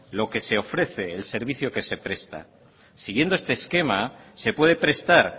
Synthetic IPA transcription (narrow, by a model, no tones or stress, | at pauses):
lo̞ke̞se̞o̞fɾe̞θe̞ːlse̞ɾβ̞iθjo̞ke̞se̞pɾe̞st̪a̰ | siɣje̞nd̪oest̪eːske̞mase̞pwe̞ðe̞pɾe̞st̪aɾ